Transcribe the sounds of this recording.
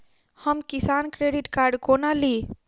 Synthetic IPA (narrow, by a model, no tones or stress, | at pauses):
həmkisankɾeɖiʈkaɾɖkonali